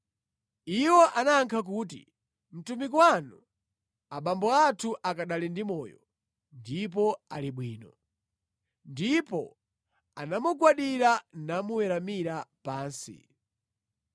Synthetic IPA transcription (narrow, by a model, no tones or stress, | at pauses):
iwɔʔanaːŋkʰak̬uːtḭ | m̩tumikwanu | aɓambɔatʰuʔakaɗalindimɔːjɔ̰ | ndip̬ɔaliɓwiːnɔ | ndipɔ | anamuɡwaɗiɾanamuwɛɾamiɾapaːnsḭ